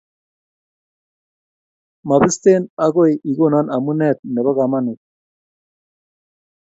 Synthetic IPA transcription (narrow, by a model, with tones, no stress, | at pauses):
ma˨bi˦st̪e˦na˦ɡo˦ji˨ɡo˦na˦na˨mu˦nɛ˦t̪̚nɛ˨βa˦ɡa˨ma˦nu˨t̚